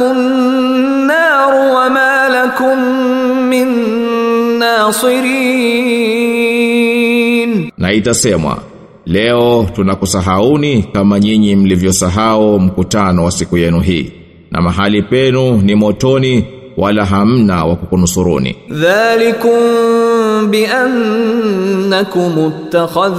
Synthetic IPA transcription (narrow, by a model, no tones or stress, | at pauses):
ʊ | nːɑː | ɾwamaːlakʊmː | ɪnː | aːsɨɾiː | nnaitasɛmwa̰ | lɛɔtunakusaɦaunikamaɲiɲim̩livjɔsaɦaum̩kutanɔwasikujɛnuɦiː | na̰maɦalipɛnunimɔtɔni | wʔalaɦam̩nawakukunusuɾṵnḭðaːlɪkʊm | bɪʔanː | akʊmʊt̪ːaxɑð